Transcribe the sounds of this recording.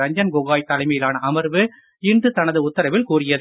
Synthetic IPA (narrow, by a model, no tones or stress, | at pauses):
ɐɲd͡ʒɐnɡɔɣaːjt̪ːɐlɐɪmɐjɪlaːnɐʔɐmɐɾʋɯ | ɪɳɖɯt̪ɐnɐðɯʊt̪ːɐɾɐʋɪlkuːrɪjɐðɯ